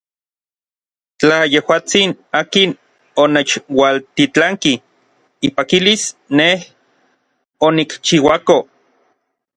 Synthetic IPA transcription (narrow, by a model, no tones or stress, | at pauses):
t͡ɬajehwaːt͡sinaːkin | onet͡ʃwalt̪it͡ɬaŋki | ipakilisneh | onikt͡ʃiwako